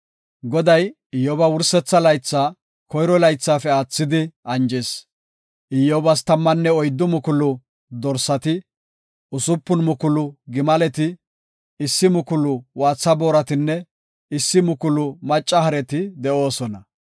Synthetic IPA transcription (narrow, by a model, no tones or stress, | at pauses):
ɡɔd̪ɐj | ɪjːɔbɐwʊɾsɛt͡sːɐlɐjt͡sːaː | kɔjɾɔlɐjt͡sːaːfɛaːt͡sːɪd̪ɪɐnd͡ʒɛs | ʔɪjːobɐs̬t̪ɐmːɐnːɛɔjd̪ːʊmʊkʊlʊ | d̪ɔɾsɐt̪ɪ | ʊsʊpːʊnmʊkʊlʊɡɪmɐlɛt̪ɪ | ɪsːɪmʊkʊlʊwaːt͡sːɐbo̞ːɾɐt̪ɪnːɛ | ɪsːɪmʊkʊlʊmɐt͡ʃʼːɐhɐɾɛt̪ɪd̪ɛo̞ːsɔnɐ